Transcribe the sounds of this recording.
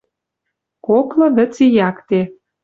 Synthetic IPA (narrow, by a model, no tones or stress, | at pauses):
koklɤ̆βɘ̆t͡sejɑkt̪e